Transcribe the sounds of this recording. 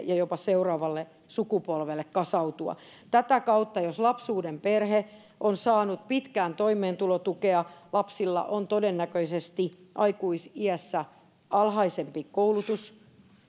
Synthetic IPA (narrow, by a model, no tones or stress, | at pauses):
jɑjopɑseurɑːʋɑlːe | sukupolʋelːekkɑsɑut̪uɑ̰ | t̪æt̪ækɑut̪ːɑjoslɑpsuːdemperhe | ʔonsɑːnut̪̚pit̪kæːnt̪oimeːnt̪ulot̪ukeɑlɑpsilːɑ̰ʔont̪odenːækøisest̪i | ʔɑikuisiæsːæ | ɑlhɑisempikoulut̪us